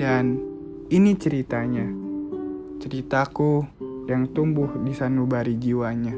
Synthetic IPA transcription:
dan | init͡ʃəɾit̪aɲa | t͡ʃəɾit̪akujaŋt̪umbʊhdisanubaɾid͡ʒiwaɲa

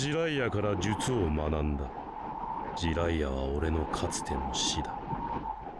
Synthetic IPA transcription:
iɾaijakaɾad͡ʑɨt͡sɨo̞manãnd̪a | d͡ʑiɾaijaβ̞a̰o̞ɾe̞no̞kʰat͡sɨ̥t̪e̞moɕid̪ḁ

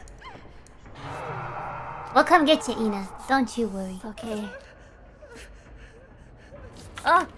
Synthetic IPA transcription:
wɛlˠkʰʌ̃mɡɛtʰɨʔĩnəd̥õʊ̃nt͡ʃuwɜɹiokʰe | o

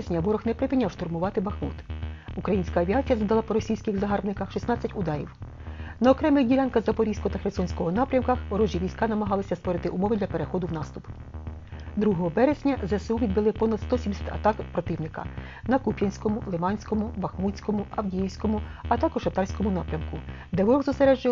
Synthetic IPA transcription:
ezʲnʲɐbɔɾɔxnɛpɾepʲinʲawʃt̪ʊrmʊʋɑt̪ɪbɐxmṵt̪ukɾɐjinʲsʲkɐːʋʲiɑt͡sʲijɐzɐd̪ɐlˠɑpɔɾɔsʲijsʲkɪɣzɐɦɑrbnɪkɐxʃisnɑt͡sʲːɐtʲʊd̪ɑɾʲḭw | nɐɔkɾɛmɪdʲilʲɑnkɐzɐpɔɾʲiskɔt̪ɐxɾesɔnʲsʲkɔɦɔnɑpɾʲɐmkɐxɾɔʒʲiʋʲijsʲkɑnɐmɐɦɑlˠɪsʲɐst̪ʋɔɾɪt̪ɪʔʊmɔʋɪd̪lʲɐpeɾe̞xɔd̪ʊwnɑst̪ʊp | d̪ɾuɦɔɦɔbɛɾezʲnʲɐzɐsuʋʲid̪̚bɪlˠɪpɔnɐd̪st̪ɔsʲimesʲḁt̪ʲɐ̰t̪ɑkpɾɔt̪ɪwnɪkɐ̰ | nɐkupʲjɐnʲsʲkɔmʊlˠɪmɑnʲsʲkɔmʊbɐxmut͡sʲsʲkɔmʊɐwdʲijiwsʲkɔmʊɐt̪ɑkɔʒ̥ɐt̪ɑɾsʲkɔmʊnɑpɾʲɐmkʊ | d̪ɛʋɔɾɔɣzɔseɾɛʒd͡ʒɪ

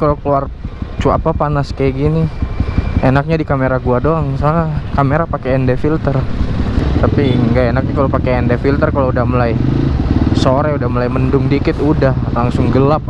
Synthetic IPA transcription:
kalokəluar | t͡ʃua̰papanaskajaɡini | enak̚ɲadikameɾaɡuadoaŋsanakameɾapakeːndefilt̪ər | t̪apiŋɡaenak̚ɲakalopakeːndefilt̪ərkaloudahməlaj | soɾɛudahməlaiməndʊŋdikɪt̪udahlaŋsʊŋɡəlap̚

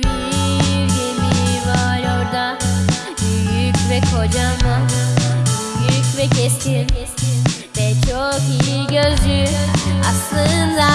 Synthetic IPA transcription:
bijjemivaɾo̞ɾd̪a | byjycʲvɛkʰo̞d͡ʒamɯ | byjycvɛcʰɛst̪ʰin | vɛt͡ʃʰokijiɟøzd͡ʒyaslˠɯnd̪a

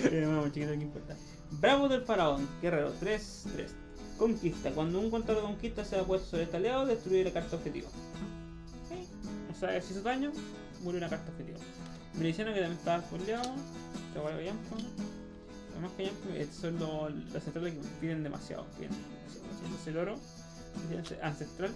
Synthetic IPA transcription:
eunamut͡ʃikit̪ok̬eimpoɾt̪a | bɾaβozðelfaɾaoŋɡereɾot̪ɾes | t̪ɾḛs | koŋkist̪akwand̪ouŋkont̪aɾakoŋkist̪aseapwest̪o̥soɾet̪aljaðoðest̪ɾuiɾlakaɾt̪aopxet̪ḭβa̰ | okej | oseaesis̬oðaɲo | muɾjounakaɾt̪aoxet̪ḭβa̰ | melisjanaket̪amjenet̪aaepoljaðot̪awalkajampo | kamakajampoḛsonlolasent̪ɾalekepiðend̪emʔa̰sja̰ðo̰piðḛnḛmasja̰ðo̰sa̰t̪oseloɾo | es̬iseʔansest̪ɾal

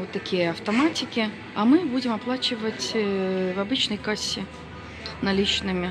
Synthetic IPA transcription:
ot̪ːɐkʲijɐɐft̪ɐmatʲɪkʲɪ | ɐmɨbudʲɪmɐplˠat͡ɕɪvətʲvɐbɨt͡ɕnɐjkasʲːɪ | nɐlʲit͡ɕnɨmʲɪ

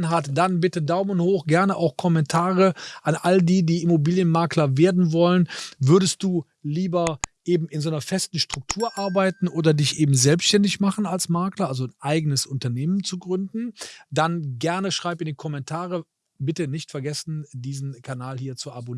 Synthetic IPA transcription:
nɦatd̥anbɪtədaʊmənhoːxɡ̥ɛɐnəʔaʊxkʰɔmɛntʰaːʁəʔanʔaldiːdiːɪmobiːljənmaɐklɐveːɐdn̩vɔlənvʏɐdəst̚d̥uː | liːbɐʔeːbm̩ɪnzoːnɐfɛstn̩ʃtʁ̥ʊk̚tʰuːɐʔaɐbaɪtn̩ʔoːdɐdɪçʔeːbm̩zɛlpstʃtɛndɪçmaχən̩alsmaɐklɐʔalzonʔaɪɡənəsʔʊntɐneːmənt͡suɡʁʏndn̩d̥anɡɛɐnəʃʁ̥aɪpɪndikʰɔmɛntʰaːʁə | bɪtənɪçtfɛɐɡɛsn̩diːzn̩kʰanaːlhiːɐt͡suabon

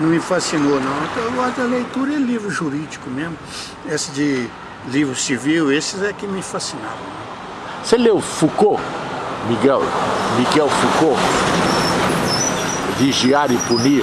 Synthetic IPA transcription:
nɐ̃w̃mɪfasinonɐ̃w̃t̪ɐ̃ɡɔd̪ɐlejt̪uɾɐɛlivɾʊʒuɾid͡ʒikʊmezmʊ | esɪd͡ʒɪ | livɾʊsiviwesɪzɛkɪmɪfasina̰vɐ̃w̃n | selewfuko | miɡɛlmiɡɛwfuko | viʒiaɾɪpuni

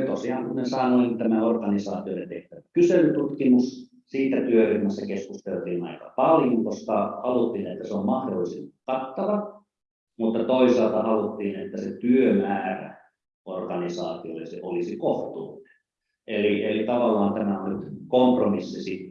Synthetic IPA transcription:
t̪osiɑŋkumensɑinolint̪æmæorɡɑnisɑːt̪iolːet̪eht̪æʋækyselyt̪ut̪kimus | siːt̪æt̪yøhirmæsːækeskust̪elt̪iːnɑ̰ikɑpɑljoŋkoskɑhɑlut̪ːˑiːnet̪ːæseommɑhdolːˑisest̪i̥kɑt̪ːɑʋɑ | mut̪ːɑt̪oisɑlt̪ɑhɑlut̪ːiːnet̪ːæsḛt̪yømæːræ̰ | orɡɑnisɑːt̪iolːḛsḛʔolisikoht̪ṵːne̥n | ʔelielit̪ɑʋɑlːɑːnt̪æmæolit̪kompromisːisit̪

